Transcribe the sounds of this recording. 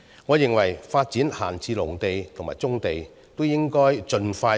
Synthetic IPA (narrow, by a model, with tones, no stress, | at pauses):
ŋɔː˨˧jɪ˨ŋwɐ˨˩jfaː˧t̚t͡siː˨˥nhaː˨˩nt͡siː˧lʊ˨˩ŋt̪e˨jt̪ʰŋmaː˨˩t͡sʊ˥ŋt̪e˨j | t̪o˥wjɪ˥ŋkɔː˥jt͡ʃɵ˧nfaː˧